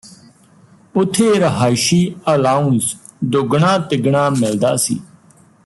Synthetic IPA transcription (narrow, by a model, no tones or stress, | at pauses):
ʊt̪ʰːeːɾəɦaːɪʃiːəlaːʊns | d̪ʊɡɳãːt̪ɪɡɳãːmɪld̪a̰ːsḭː